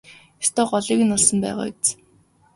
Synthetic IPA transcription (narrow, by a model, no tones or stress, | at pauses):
ist̪ɔːɢɔɮiːkɘ̆nʊɮsɞ̆mpæ̰ːʁa̰ːt͡s